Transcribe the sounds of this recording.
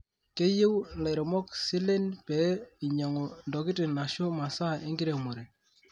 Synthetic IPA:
ke˦je˦wle˨ɾɔ˨mɔ˦ksi˦le˦npɛ˨˦ɪ˨ɲa˨ŋɔ˨ndɔ˨kɪ˦tɪ˨na˨ʃʊ˦ma˨sa˦˨e˦ŋɡi˦ɾe˨mo˨ɾe˨

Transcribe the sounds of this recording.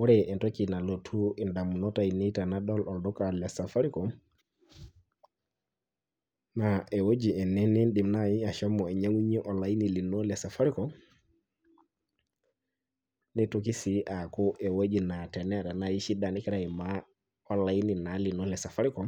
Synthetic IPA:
wɔ˦ɾɛɛ˨ntokina˨lo˨tʰu˦ɛ˨nda˨mu˨nɔ˦taini˦tanaɗɔ˦lɔ˨ldɔ˦kalɛsa˨fa˦ɾi˦kɔ | naɛ˨wod͡ʒi˨ɛ˨ne˦ni˦nɗi˨mna˦ji˦a˨ʃa˦mːɔ˨ɛ˨ɲa˦ŋu˦ɲi˦ʔɔ˨lajini˨li˨nɔ˦lɛsa˨fa˦ɾi˦kɔ | ni˦tok̬i˦siʔa˨ku˦ʔɛ˨wo˦d͡ʒi˨na˨tɛ˨nɛ˦ɾa˨naji˦ʃi˦da˨ni˦kɛ˦ɾaima | ɔ˨la˨jini˨na˨li˨nɔ˦lɛsa˨fa˦ɾi˦kɔ˨

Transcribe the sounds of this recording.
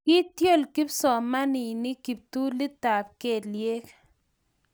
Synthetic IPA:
kɪ˦t̪jo˦˨lki˦psɔ˨ma˦ni˨nɪ˦ki˨p̚t̪u˦li˦t̪a˨p̚ke˨dlje˦k

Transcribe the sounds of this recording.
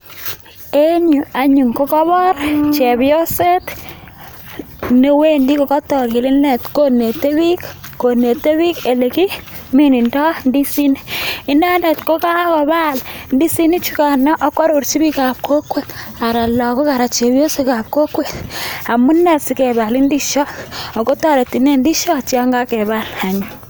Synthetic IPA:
e˦ɲu˨a˨ɲu˨ŋko˦kɔ˦bɔ˦rt͡ʃe˨bjo˦se˦t̪ | ne˦we˦ndi˦kɔ˨kɔ˦tɔ˨ɾki˨lɪ˦ne˨tko˦ne˨te˦bi˦kko˨ne˨te˦bi˦ke˨le˨ki˦ | mi˦ni˨ntɔ˦ndi˦si˦ni˦ɪ˦na˦ne˨tko˦ka˦kɔ˨ba˦lndi˦si˦ni˦t͡ʃi˦ka˨nɔ˦ʔa˦ka˦ɾo˨ɾt͡ʃi˦bi˦ka˨p̚kʰo˦kwe˨ta˨ɾa˨la˨kɔ˦ka˨ɾa˨t͡ʃe˨bjo˦se˦ka˨p̚ko˦kwe˨t̚a˨mu˦nːɛ˨tsi˨˦kɛ˨ba˨li˦ndi˦ʃɔ˦ɔ˨ko˦tɔ˦ɾe˨ti˨ne˦ndi˦ʃɔ˦t͡ʃi˦a˦ŋɡa˦kɛ˨ba˦la˨ɲu˨

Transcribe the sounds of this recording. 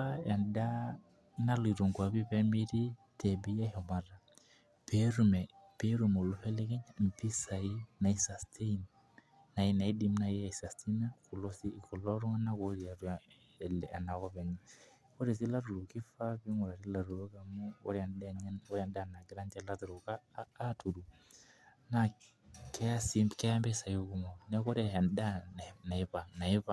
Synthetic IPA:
a˦ja˨nda˦ | na˦lu˨i˨ɾo˨ŋkwa˨bi˦pɛ˦mi˦ɾi˦tɛ˨bɛ˨˦a˦hɔ˨ma˨ɾa˨ | pɛ˨˦ɾu˨mɛ˨pe˦ɾu˨mo˨lu˨fɛ˦lɛ˦kɛ˦ɲa˦m̩˨pi˦sa˨i˦na˨i˨˦sa˨stʰe˦i˦n | na˨i˦na˨i˦di˦mna˨i˦a˨i˨sa˨sti˦na˦ku˨lɔ˦si˦˨kɔ˨lɔ˦ɾu˦ŋa˦na˦ko˨ɾi˨a˨ɾu˨ | lɛ˨ʔa˨na˨kɔ˦βɛ˨ŋa˦ | ko˦ɾi˨s̬i˦la˦ɾu˨ɾo˨ki˦fa˦ki˦ŋɔ˨ɾa˨ɾi˦la˨ɾu˨ɾɔ˦ka˨mu˦ɔ˦ɾa˨ndɔ˦ɾja˨nda˦˨na˨ɡɾa˦nd͡ʒɛ˨la˦tu˨ɾo˨kaː˦tu˨ɾu˨ | na˨ | kɛ˦a˦si˦mbkɛ˦a˦mbɛ˦sa˨i˦o˦ku˨ŋɔ˨nɛ˦kɔ˦ɾa˨a˨nda˦n˨na˨e˦pa˨ŋna˨e˦a˨

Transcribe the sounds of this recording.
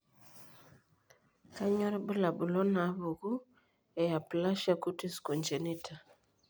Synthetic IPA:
ka˦ɲɔ˦ɾbə˦la˨bu˨lɔ˦na˨˦βo˨ɣu˦ | ɛ˨ja˨pla˦ʃa˦˨ku˦ti˦sko˨nd͡ʒe˨ni˦tʰa˨

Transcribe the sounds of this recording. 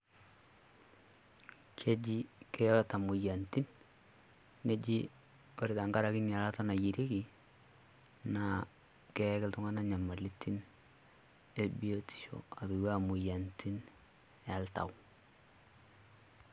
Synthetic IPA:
kʰe˦d͡ʒi˦ke˦ɔ˦ɾa˨ta˨mu˨ja˨nti˦n | e˦d͡ʒi˦ | o˨ɾi˨ta˨ŋɡa˦ɾa˨ki˦n˨a˨la˦ta˦na˨ji˨ɾe˦ki˨ | na˨ | kɛ˦kɪ˦ltʊ˦ŋa˦na˦ɲa˨ma˨li˦tʰi˦n | e˦bi˦o˦tʰi̥˨ʃo̰˨a˨βi˨wa˦˨mʊ˨ja˨ntʰi˦n | a˨lta̰˨w

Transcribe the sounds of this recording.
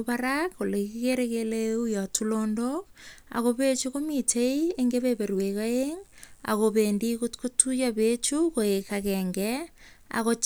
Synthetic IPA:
paɾakːo˨le˨ki˦keɾekeleujɔ˨tʰulondoka̰˨kope˦t͡ʃuko˦mitʰe˦ie˦ŋɡe˦βepe˨ɾwe˨ka˦eŋa̰˨ko˨peːndi˦kutko˦tu˦jape˦t͡ʃuko˨e˨kakɛŋɡɛ | a̰˨ko˦t͡ʃ

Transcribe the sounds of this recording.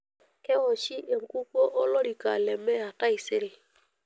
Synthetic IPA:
kɛ˦wɔ˨t͡ʃi˦a˨mku˦ko˦ʔɔ˦lɔ˦ɾi˨ka̰˨lɛ˨mɛ˦a˨ta˦i˨se˦ɾi˨

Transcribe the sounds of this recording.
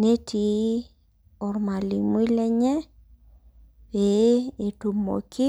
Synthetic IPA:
ne˦tʰi˨ | ɔ˨ɾma˨li˨mwi˦lɛ˦ɲɛ˦ | we˨e˨tu˨mo̰˨kɪ˦

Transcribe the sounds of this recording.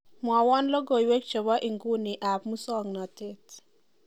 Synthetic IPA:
mwa˨wɔ˦nlo˦ɡo˨jwe˦k̚t͡ʃo˨ba˦ʔi˨ŋɡu˦nɪ˨ʔa˨pmu˦sɔ˦ŋnɔ˨te˦t

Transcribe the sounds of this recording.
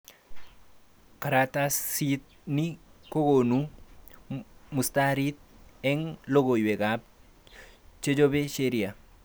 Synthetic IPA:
ka˨ɾata˦ssi˦t̪̚ni˦ko˦ɡo˨nu | mu˨st̪aɾi˦t̪̚ɛ˦ŋlo˦ɡo˨jwe˨ɡap̚ | t͡ʃe˦d͡ʒo˦be˦ʃe˦ɾia˨

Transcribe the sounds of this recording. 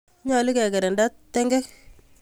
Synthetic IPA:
ɲa˨lɪ˦kɛ˨kɛ˨ɾɛ˨nda˦tːɛ˦ŋɡɛ˦k

